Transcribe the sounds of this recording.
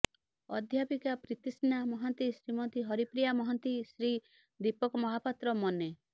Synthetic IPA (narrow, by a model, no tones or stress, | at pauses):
ɔ̰d̪ʱjapikapɾit̪isnamɔɦɔnt̪isɾimɔt̪iɦɔɾipɾijamɔɦɔnt̪isɾi | d̪ipɔkɔmɔɦapat̪ɾɔmɔne